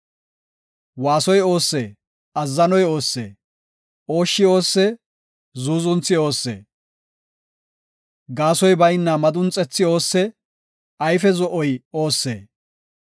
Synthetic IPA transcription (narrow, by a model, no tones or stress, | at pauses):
waːsɔjo̞ːsːḛː | ɐzːɐnɔjo̞ːsːḛː | o̞ːʃːɪo̞ːsːɛ | zuːzʊnt͡sːɪo̞ːsːḛː | ɡaːsɔjbɐjnːɐmɐd̪ʊnt͡sʼɛt͡sːɪo̞ːsːɛ | ɐjfɛzɔʔɔjo̞ːsːḛː